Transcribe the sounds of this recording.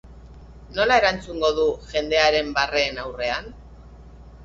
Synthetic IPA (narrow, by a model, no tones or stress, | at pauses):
no̞lae̞ɾant͡suŋɡo̞ðuʝe̞nd̪e̞aɾe̞mbare̞ːnawre̞an